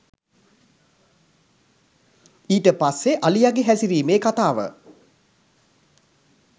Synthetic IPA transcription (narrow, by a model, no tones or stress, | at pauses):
iːʈəpasːeʔalijaɡeɦæsiɾiːmeːkat̪aːʋə̰